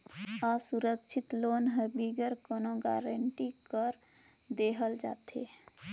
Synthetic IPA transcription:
asuɾəkʃʰɪt̪loːnɦəɾbiɡəɾkɔnõɡa̰ːɾəɳʈikəɾ | d̪eːɦəld͡ʒa̰ːt̪ḛ

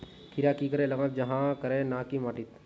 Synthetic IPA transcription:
kʰiɾaːkikəɾeləɡãt̪d͡ʒəɦãkəɾenaːkimaːʈit̪

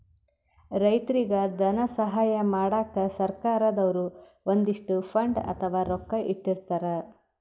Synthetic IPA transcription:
ɾɐjt̪ɐɾiɡɐd̪ɐnɐsɐɦaːjɐmaːɽaːkɐsɐɾkaːɾɐd̪ɐʋɐɾu | ond̪iʂʈupʰɐɳɖɐ̰t̪ʰɐʋaːɾɔkːɐʔiʈːiɾt̪aɾɐ

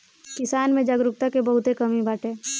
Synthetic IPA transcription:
kɪsaːnmẽd͡ʒɐɡɾʊk̚t̪akebɐɦʊt̪ekɐmibaːʈʰẽː

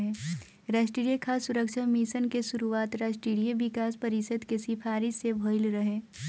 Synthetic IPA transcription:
ɦẽː | ɾɐsʈɾiːɽjekʰaːsʊɾəkʃəmisənkesʊɾuaːt̪ɾɐsʈɾiːɽijeʋɪkaːspɐɾɪʃəd̪kesifaːɾɪʃsebʱoːɪlɾɐɦẽː

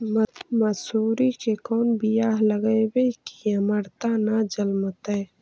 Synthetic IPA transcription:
mɐsuːɾikekɔːnbijaːɦləɡəebekiɐməɾt̪anad͡ʒəlmət̪eː

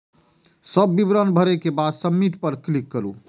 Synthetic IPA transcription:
səbːibɾənbʱəɾekebad̪səmːiʈpəɾklikːəɾṵ

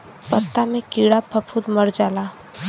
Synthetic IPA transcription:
pət̪ːamẽkiːɽapʰɐpʰud̪mɐɾd͡ʒaːlaː

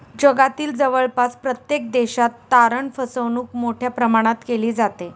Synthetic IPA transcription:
d͡ʑəɡat̪iːld͡zəʋəɭpaspɾət̪jek̚d̪eɕat̪ːaɾəɳfəsəʋnuːkmoʈʰjapɾəmaɽ̃at̪keliːd͡zat̪e

